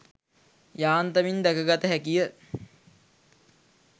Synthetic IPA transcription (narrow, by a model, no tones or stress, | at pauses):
jaːnt̪əmind̪ækəɡat̪əɦækijə